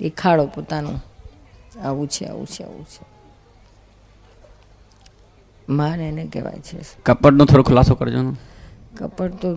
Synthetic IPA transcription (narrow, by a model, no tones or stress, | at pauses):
ekʰaɽopot̪anṵ̃ | aʋũt͡ʃʰḛa̰ʋṵ̃t͡ʃʰea̰ʋṵ̃t͡ʃʰe | mãnɛnekɛ̰ʋa̰jt͡ʃʰḛkəpəʈnõt̪ʰoɾokʰʊlasokəɾd͡ʒono | kə̰pəʈt̪o